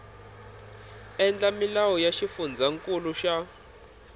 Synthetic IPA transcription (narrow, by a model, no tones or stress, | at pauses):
ɛnd͡ɮamilawɔjaʃifund͡zʱaŋkʼuluʃa